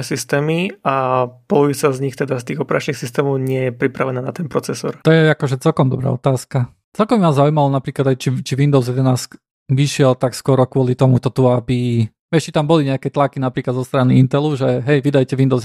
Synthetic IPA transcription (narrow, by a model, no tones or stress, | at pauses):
ɛsist̪ɛːmiapɔluʋit͡sazɲixt̪ɛd̪ast̪iːɣɔpɛɾʔat͡ʃnixsist̪ɛːmɔʊɲɪɛjɛpɾipɾaʋɛnaːnat̪ɛnpɾɔt͡sɛsɔ̰ɾt̪ɔjɛakɔʒɛt͡sɛlkɔmd̪ɔbɾa̰ɔt̪aːska | t͡sɛlkɔmbimazaʊujmalɔnapɾiːklad̪ajt͡ʃit͡ʃiʋind̪ɔʊzjɛd̪ɛnaːsk | ʋiʃɪɛlt̪akskʊɔɾɔkʊɔlit̪ɔmut̪ɔt̪uabi | ɛʃt͡ʃit̪ambɔliɲɛakɛt̪lakinapɾiːklad̪zɔst̪ɾaniint̪ɛluʒɛɦɛjʋid̪ajcɛʋind̪ɔʊ